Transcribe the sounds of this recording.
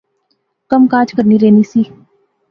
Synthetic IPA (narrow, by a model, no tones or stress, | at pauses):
kəmkaːd͡ʒkəɾniɾeːnisiː